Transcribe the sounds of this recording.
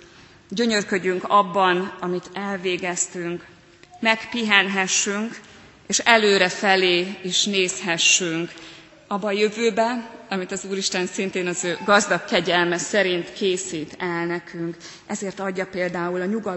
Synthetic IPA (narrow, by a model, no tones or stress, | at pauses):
ɟø̞ɲø̞rkø̞ɟyŋkɒbːɒnɒmit̪ɛlveːɡɛst̪yŋk | mɛkpiɦɛnɦɛʃːyŋk | eːʃɛløːɾɛfɛleːiʃneːshɛʃːyŋk | ɒbːɒːjø̞vøːbɛɒmit̪ɒzuːɾiʃt̪ɛnsint̪eːnɒzøːɡɒzd̪ɒkːɛɟɛlmɛsɛɾint̪kʰeːsiːt̪ɛlnɛkʰyŋk | ɛzeːrt̪ɒɟːɒpeːld̪aːulɒɲuɡɒ